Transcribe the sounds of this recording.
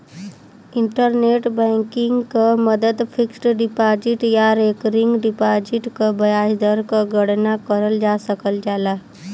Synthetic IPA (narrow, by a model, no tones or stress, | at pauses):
iɳʈəɾneʈbə̃ŋkiŋɡkəməd̪əd̪fʰiksʈɖipad͡ʒiʈjaɾekɾiŋɡɖipad͡ʒiʈkəbəjasd̪əɾkəɡəɽnakəɾəld͡ʒasəkəld͡ʒala